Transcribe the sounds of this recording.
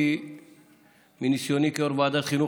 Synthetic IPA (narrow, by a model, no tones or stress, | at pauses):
i | minisioːnikɔɾbad̪aχinu